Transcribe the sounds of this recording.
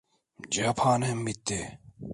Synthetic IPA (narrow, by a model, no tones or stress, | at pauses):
d͡ʒaːpʰaːnhɛmːit̪ːe